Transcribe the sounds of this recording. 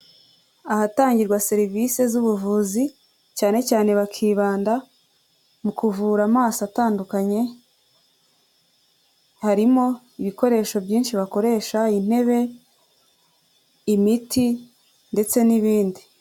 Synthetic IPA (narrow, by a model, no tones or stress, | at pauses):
ahataːɲɟiɾɡwase̞ɾivise̞zuβuvuzi | caːne̞caːne̞βakʰiːβaːnda | mukuvuːɾamaːsataːndukaɲe̞ | haɾimo̞ | iβiko̞ɾe̞ːʃo̞bɟiːnʃiβako̞ɾe̞ːʃain̥he̞βe̞ | imitʰi | nde̞t͡se̞niβiːndi